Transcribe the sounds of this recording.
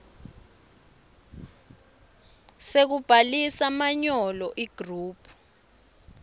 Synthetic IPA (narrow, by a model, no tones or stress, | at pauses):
sek̬ub̥ʱalisamaɲɔlɔʔiɡ̥ʱruːpʰu̥